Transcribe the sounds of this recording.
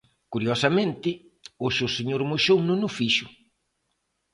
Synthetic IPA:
kuɾjɔsɐmẽnt̪ɪ | oʃewseɲoɾmoʃownʊ̃nʊfiʃʊ

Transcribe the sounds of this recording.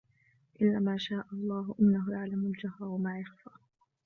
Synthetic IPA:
ʔɪlːaːmaːʃaːʔɑlˤːɑːɦʊʔɪnːaɦʊjaʕlamʊld͡ʒahɾˤɑwamaːjaxfaː

